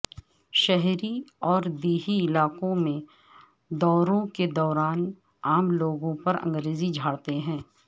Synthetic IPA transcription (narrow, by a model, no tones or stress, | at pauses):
ʃɛɦɾiɔːɾd̪iːɦiɪlaːqõmẽ | d̪ɔːɾõked̪ɔːɾaːn | aːmloːɡõpɐɾɐ̰̃ŋɡɾeːzid͡ʒʱaːɽt̪eɦɛ̃ː